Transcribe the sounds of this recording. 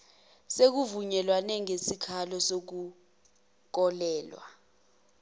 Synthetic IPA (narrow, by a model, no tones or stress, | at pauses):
sek̬uvuɲɛlwanɛŋesikʰalɔsok̬u | k̬ɔlɛːlwa̰